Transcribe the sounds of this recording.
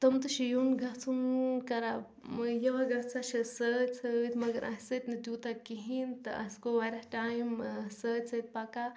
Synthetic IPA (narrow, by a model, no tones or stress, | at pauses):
t̪ɐmt̪ɨʃijunɡɐɦt͡sʰunkɐɾa | mjɐʋaɡɐɦt͡sʰaʃisət͡sʰət̪mɐɡɐɾʔɐ̰ɦsət̪ʲnɨd̪jut̪akiɦint̪ɨʔɐ̰skoʋɐɾɐʈaːjmsəːt͡sʰət̪̚paka